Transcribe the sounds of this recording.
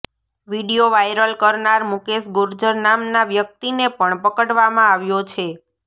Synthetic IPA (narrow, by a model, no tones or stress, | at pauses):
ʋiɽijoʋajɾəlkəɾnaɾmukesɡʊɾd͡ʒəɾnamnaʋjək̚t̪inepəɳpəkəɽʋamãaʋjot͡ʃʰe